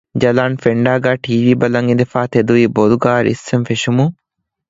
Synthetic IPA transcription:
d͡ʒɐlanfeɳɖaːɡaʈʰiːʋiːbɐlaŋɡind̪efaːt̪ʰed̪uiboluɡaːɾɪ̰səmfeʃumu

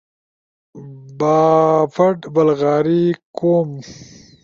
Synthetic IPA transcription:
baːfɐʈbɐlɣaːɾikoːm

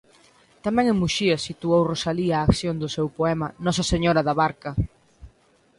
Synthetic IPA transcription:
t̪amɛ̃ŋẽŋmuʃiɐsit̪uowrosaliaːkθjond̪ʊsewpoɛmɐnɔsɐseɲoɾɐðaβaɾkɐ

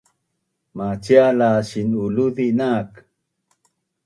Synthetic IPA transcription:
mat͡ɕialaɕinuluðinak

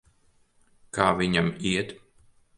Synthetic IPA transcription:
kaːvʲiɲamiɛt̪

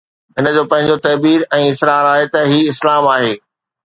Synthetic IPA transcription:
ɦɪnə̆d͡ʑoːpɐ̃ɦɪ̃ɲd͡ʑot̪ɐːbiːɾɛ̃ːɪsɾaːɾaːɦet̪ɐɦiːɪslaːmaːɦeː

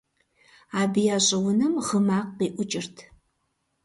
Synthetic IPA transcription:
aːbijaːɕʼɐwʊnɨmʁəmaːqːiːʔʷʊt͡ʃʼɪrtʰ

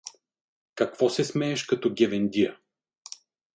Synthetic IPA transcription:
kɐkv̥ɔsɛsmɛɛʃkɐt̪ɔɡʲɛvɛnd̪ijə

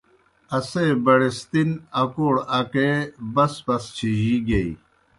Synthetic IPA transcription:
ɐseːbɐɽest̪inɐkoːɽɐkebɐspɐst͡ɕʰiʑiɡeḭ

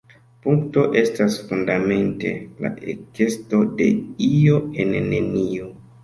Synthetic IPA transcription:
puŋkto̞ʔe̞stasfundame̞nte̞̰la̰ʔḛke̞sto̞de̞̰io̞ennenio

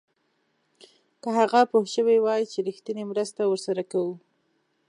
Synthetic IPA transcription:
kəɦaɣapohʃəwewɑjit͡ʃeɾixt̪ənemɾəst̪awəɾsaɾakawu

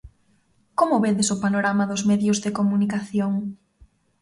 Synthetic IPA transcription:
komʊβeðɪsʊpanoɾamaðʊzmeðjʊzðɪkomunikaθjoŋ

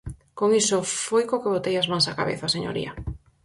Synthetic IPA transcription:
koŋisofojkokeβot̪ejazmãŋsaka̰βḛθaseɲo̰ɾḭɐ̰

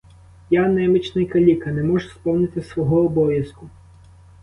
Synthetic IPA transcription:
janɛmɪt͡ʃnɪjkɐlʲikɐnɛmɔʒʊspɔwnɪt̪ɪsʋɔɦɔːbɔʋʲjɐskʊ

